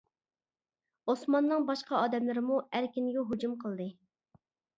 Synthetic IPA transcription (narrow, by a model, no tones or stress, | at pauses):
osmɑnːɨŋbɑʃqɑɑːd̪ɛmlɪɾɪmuæɾkʲinɡʲɛɦod͡ʒumqʰəlˠd̪ɨ